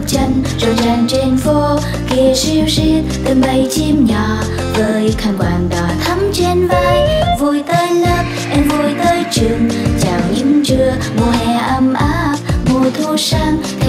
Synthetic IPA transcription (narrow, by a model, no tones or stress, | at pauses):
t͡ɕənzojzaŋt͡ɕenfo | kiəsiwsi | t̪ənɓəjt͡ɕimɲɔ | vəːjkʰaŋkwaːŋɗ̪ɔt̪ʰəmt͡ɕenvaːjvojt̪əːjləːp̚ʔɛnvojt̪əːjt͡ɕɨŋt͡ɕaːwɲimt͡ɕɨə | mohɛʔəmʔaːp̚mujt̪ʰusaːŋʰ